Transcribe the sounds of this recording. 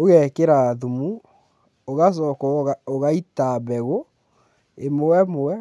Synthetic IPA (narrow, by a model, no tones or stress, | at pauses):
oɣɛkeɾaðumu | oɣas̬ɔkɔoɣaitaβɛɣo | emowɛmowɛ